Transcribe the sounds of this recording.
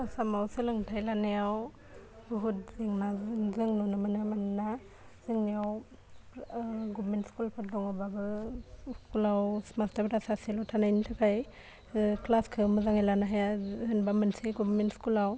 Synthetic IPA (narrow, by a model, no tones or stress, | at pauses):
asamawsɯlɯŋtʰajlanejaw | buɦut̚ziŋnazɯŋnɔnamanamanna | zɯŋnijaw | ɡɔbmentskulpʰaɾdɔŋɔbabɯskulawsmastaɾbɾasaselɔtʰanajnitʰakʰaj | klaskʰɯmɯzaŋajlanaɦajaɯnbamɯnsiɡɔbmentskulaw